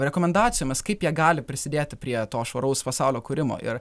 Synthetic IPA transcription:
ɾʲɛkoːmʲɛnd̪ɑːt̪sʲɪjoːmʲɪskɐɪpjiɛɡɑːlʲɪpʲɾʲɪsʲɪd̪ʲeːt̪ʲɪpʲɾʲiɛt̪oːʃʋoːɾɐʊspɐsɑʊlʲoːkʊːɾʲɪmo̰ːʔɪ̰ɾ

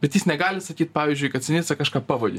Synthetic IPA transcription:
bʲɛt̪jisnʲɛɡɑːlʲɪsɐkʲiːt̪pɑːʋʲizʲd͡ʒʲʊjkɐt̪̚ʲsʲɪnʲɪt̪sɐkɑʃkɑːpɐʋoːdʲɪ̰

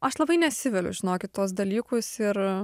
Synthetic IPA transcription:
ɐʃlˠɐbɐɪnʲɛt̪ʲsʲɪʋʲɛlʲʊ̰ʒʲɪnoːkʲɪt̪tːuɔs̬d̪ɐlʲiːkʊsɪɾ

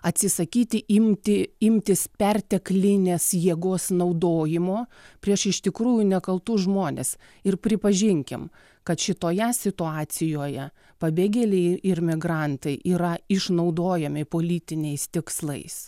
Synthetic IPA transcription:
ɐt̪ʲsʲɪsɐkʲiːt̪ʲɪʔɪmʲt̪ʲɪɪmʲt̪ʲɪspʲɛrʲt̪ʲɛklʲɪnʲeːsjiɛɡoːsnɐʊd̪oːjɪmoːpʲɾʲiɛʃɪʃt̪ʲɪkɾuːjʊnʲɛkɐlˠt̪uːʒmoːnʲḛs | ɪrpʲɾʲɪpɐʒʲɪŋʲkʲɪm | kɐt̪ʃʲɪt̪oːjɛsʲɪt̪ʊɑːt̪sʲɪjoːjɛ | pɐbʲeːɡʲɛːlʲɛɪɪɾmʲɪɡɾɑnt̪ɐɪʔiːɾɐɪʃnɐʊd̪oːjɛmʲɪpoːlʲiːt̪ʲɪnʲɛɪst̪ʲɪkslˠɐ̰ɪs

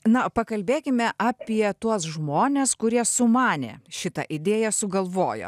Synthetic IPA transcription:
nɐpɐkɐlʲbʲeːkʲɪmʲɛʔɑːpʲiɛt̪uɔsʒmoːnʲeːskʊɾʲiɛsʊmɑːnʲḛːʃʲɪt̪ɐ̰ʔɪd̪ʲeːjɛsʊɡɐlˠʋoːjo̰ː

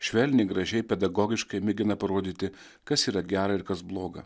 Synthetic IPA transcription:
ʃʲʋʲɛlʲnʲɪɡɾɐʒʲɛɪpʲɛd̪ɐɡɔːɡʲɪʃkɐɪmʲɪɡʲɪnɐpɐɾoːd̪ʲiːt̪ʲɪ | kɐsiːɾɐɡʲæːɾɐɪɾkɐsblˠoːɡɐ̰

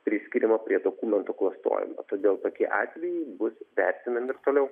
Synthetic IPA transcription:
pʲɾʲɪsʲkʲiɾʲɪmɐpʲɾʲiɛd̪oːkuːmʲɛnt̪uklˠɐst̪o̰ːjɪ̰mo̰t̪oːd̪ʲeːlˠt̪oːkʲiɛʔɑ̰ːt̪ʲʋʲɛjɛɪbʊsʋʲɛɾʲt̪ʲɪmʲɛmʲɪɪɾt̪oːlʲɛʊ

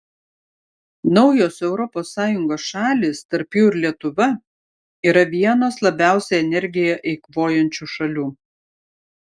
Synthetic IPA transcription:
nɒʊjoːsɛʊɾɔpoːsːɑːjʊŋɡoːsʃɑːlʲiːst̪ɐɾpjuːɪɾlʲiɛt̪ʊʋɐ | iːɾɐʋʲiɛnoːslˠɐbʲæˑʊsʲɛɛnʲɛɾʲɡʲɪjɛʔɛɪkʋoːjɛnʲt͡ʃʲuːʃɐlʲuː

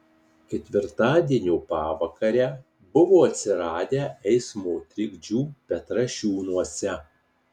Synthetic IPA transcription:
kʲɛt̪ʲʋʲɪɾt̪ɑːd̪ʲiɛnʲuːpɑːʋɐkɐɾʲæː | bʊʋoːɐt̪ʲsʲɪɾɑːd̪ʲæːʔɛɪsmoːt̪ʲɾʲɪɡʲd͡ʒʲuːpʲɛt̪ɾɐʃʲuːnuɔsʲɛ

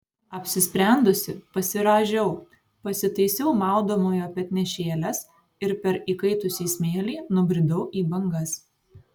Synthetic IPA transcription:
ɐpʲsʲɪsʲpʲɾʲæˑnd̪ʊsʲɪpɐsʲɪɾɑːʒʲɛʊ | pɐsʲɪt̪ɐɪsʲɛʊmɑˑʊd̪oːmoːjoːpʲɛt̪nʲɛʃʲeːlʲɛs | ɪɾpʲɛɾiːkɐɪt̪ʊsʲiːsʲmʲeːlʲiːnʊbʲɾʲɪd̪ɐʊʔiːbɐŋɡɐs

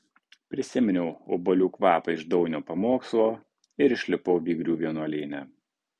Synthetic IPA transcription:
pʲɾʲɪsʲɪmʲɛnʲɛʊobɐlʲuːkʋɑːpɐɪʒd̪ɒʊnʲoːpɐmoːkslˠoː | ɪɾɪʃʲlʲɪpɔʊʋʲiːɡɾʲuːʋʲiɛnuɔlʲeːnʲæ

